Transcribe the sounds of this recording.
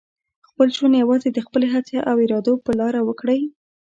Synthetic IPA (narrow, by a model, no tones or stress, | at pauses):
xpəlt͡ʃanjawɑzed̪əxpəleɦat͡sjɑʔaweɾɑd̪opəlɑɾawəkɽəj